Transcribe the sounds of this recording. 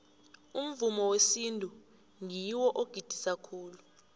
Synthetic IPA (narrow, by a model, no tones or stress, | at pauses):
um̩vumɔwesintʼu | ŋiwɔʔoɡ̥ʱid̥ʱisakʰuːlu